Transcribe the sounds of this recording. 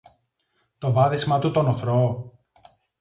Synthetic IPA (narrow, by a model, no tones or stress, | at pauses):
t̪o̞vɐðismɐt̪ut̪o̞noθɾo